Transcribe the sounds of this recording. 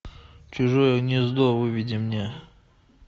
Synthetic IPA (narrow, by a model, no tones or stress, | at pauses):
t͡ɕʊʐojəɣnʲɪzd̪ovɨvʲɪdʲɪmnʲe